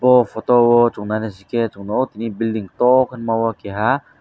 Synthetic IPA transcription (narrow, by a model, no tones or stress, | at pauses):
bɔfʰot̪owɔt͡ʃuŋnanesiket͡ʃuŋnot̪inibildiŋt̪ɔkʰɯnmawakɛɦa